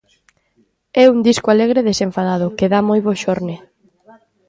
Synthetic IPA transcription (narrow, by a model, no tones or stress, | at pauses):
ɛund̪iskʊaleɣɾeðeseɱfaðað̞ʊkeðamojβoʃoɾne